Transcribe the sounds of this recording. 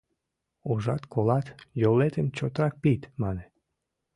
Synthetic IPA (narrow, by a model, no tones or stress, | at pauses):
oʒɑ̰t̪kʰolɑt̪jolet̪əmt͡ɕot̪ɾɑk̚pit̪mɑne